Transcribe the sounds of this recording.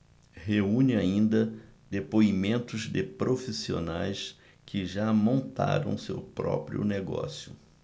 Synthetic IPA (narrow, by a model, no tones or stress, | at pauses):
heũɲɪaĩnd̪ɐd̪epoimẽnt̪ʊzd̪ɪpɾofisio̰najs | kʰɪʒamõnt̪a̰ɾɐ̰̃w̃sewpɾɔ̰pɾiʊ̰neɡɔ̰sjʊ